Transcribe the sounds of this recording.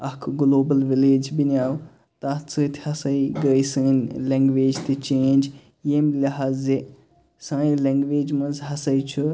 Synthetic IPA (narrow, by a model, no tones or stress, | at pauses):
ɐkʰɡloːbɐlʋileːd͡ʒbinjaːw | t̪at͡sɨt̪ʰhɐsɐiɡəːjsəːnʲlẽŋɡʋeːd͡ʒt̪it͡ʃẽːnʲd͡ʒ | jemlʲɐɦaze | sãːĩleŋɡʋeːd͡ʒmɐ̃nzɦɐsɐit͡ʃʰu